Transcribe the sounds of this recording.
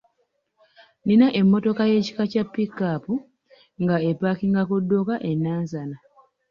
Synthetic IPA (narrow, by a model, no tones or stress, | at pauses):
ninaʔe̞mːo̞to̞kaje̞ːci̥kacapːikapu | ŋɡaepːakiŋɡakudːokaʔe̞nːaːnzana